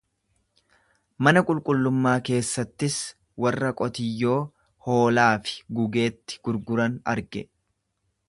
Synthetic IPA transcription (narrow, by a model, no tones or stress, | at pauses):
mɐnɐkʼʊlkʼʊlːʊmːaːke̞ːsːɐt̪ːɪs | wɐrːɐkʼɔt̪ɪjːo̞ː | ho̞ːlaːfɪ̥ɡʊɡe̞ːt̪ːɪ̥ɡ̥ʊɾɡʊɾɐnɐ̰ɾɡɛ